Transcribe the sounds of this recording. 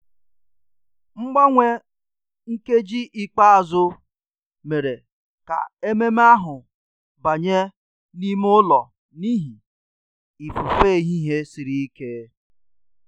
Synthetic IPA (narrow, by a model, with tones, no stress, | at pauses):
ŋ͡m̩˦ɡ͡ba˦ŋʷe˦ | ŋ̩˦ke˦d͡ʒi˦ʔi˦k͡pa˦a˨zʊ˦ | me˨ɾe˨ | ka̰˨e˦me˦m˦a˦ɦʊ˨ | ba˨ɲe˦ | ni˦m˦ʊ˦lɔ˨ | ni˦ɦi˨ | i˨fʊ˨fe˦˨˦ɦi˦ɦe˦sɪ˨ɾi˦i˦ke˦